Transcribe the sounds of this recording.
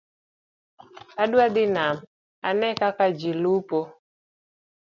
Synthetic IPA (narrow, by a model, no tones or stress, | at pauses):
aɗwad̪ɪnam | anɛkakad͡ʒilupo